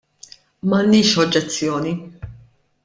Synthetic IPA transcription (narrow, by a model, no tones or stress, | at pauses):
mɐnːɪːʃɔd͡ʒːɛt͡sːjɔːni